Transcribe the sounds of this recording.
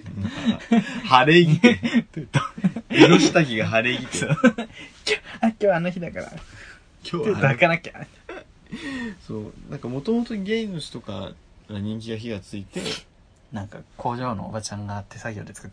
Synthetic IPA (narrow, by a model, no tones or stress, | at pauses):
haɾeɡʲit̪t̪oɾoɕi̥t̪aɡʲiɡaɦaɾe̞ɡʲit̪ | kʲoːakʲo̞ːanoçid̪akaɾa̰ | kʲʰot̪eoakanakʲa | so̞ːnãŋkamo̞t̪o̞mot̪o̞ɲɡʲeĩnoɕi̥t̪o̞ka̰ | ɾaɲ̟ĩŋk̬ʲiɡaçiɡat͡sɨit̪e̞̰ | nãŋkakʰo̞ːʑo̞ːno̞̰ːbat͡ɕãŋɡat̪ːe̞saɡʲo̞̰ːd̪e̞t͡sɨ̥kḁt̪ː